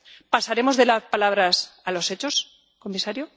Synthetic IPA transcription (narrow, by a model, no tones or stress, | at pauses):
pasaɾe̞mo̞zðe̞laspalaβ̞ɾasalo̞se̞t͡ʃo̞s | ko̞misaɾjo